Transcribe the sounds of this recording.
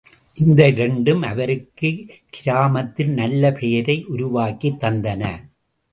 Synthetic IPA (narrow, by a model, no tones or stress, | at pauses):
ʔɪnd̪ɐɪɾɛɳɖɯmɐ̰ʋɐɾɯkːɯkɪɾaːmɐt̪ːɪnnɐlːɐpʰɛjɐɾɐɪʔʊɾʊʋaːkːit̪ːɐnd̪ɐnɐ